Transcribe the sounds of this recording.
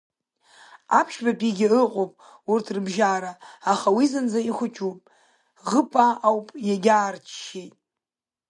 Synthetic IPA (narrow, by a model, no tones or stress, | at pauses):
apʰʃbapʼiɡʲɪɨqʼopʼ | urtʰrɨbʒaːɾaːχawizɨnd͡zaiχʷʊt͡ʃʰʼupʼ | ʁəpʼaːwpʼjaɡʲaːrt͡ʃʰʃejtʼ